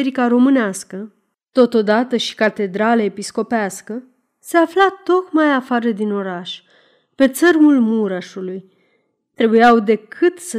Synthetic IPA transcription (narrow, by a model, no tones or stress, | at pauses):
eɾikaɾo̞mɨneaskə | t̪o̞t̪o̞d̪at̪əʃi̥kat̪e̞d̪ɾaleepisko̞peaskə | se̞aflat̪o̞kmajafaɾəd̪ino̞ɾaʃ | pe̞t̪sərmulmuɾaʃuluj | t̪ɾe̞bujawd̪e̞kʰɨt̪sə